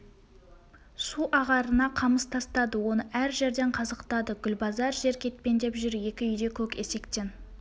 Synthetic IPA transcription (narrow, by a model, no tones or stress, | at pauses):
suʔɑʁɑɾənɑqʰɑməst̪ʰɑst̪ɑd̪əwo̞nəʔæɾʒe̞ɾd̪e̞ɴqʰɑzəqt̪ɑd̪əɡʲʏlbɑzɑɾʒe̞ɾkʲʰe̞t̪̚pe̞nd̪e̞pʒʏɾje̞kʲɪʏjd̪e̞kʲʰɵke̞se̞kt̪e̞n